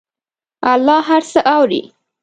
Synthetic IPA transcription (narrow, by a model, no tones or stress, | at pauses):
alːɑɦaɾsəʔawɾḭ